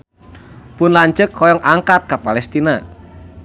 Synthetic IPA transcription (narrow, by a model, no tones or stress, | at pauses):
pʊnlaɲt͡ʃəkʰːɔjɔŋʔaŋkat̪̚kapalɛst̪ina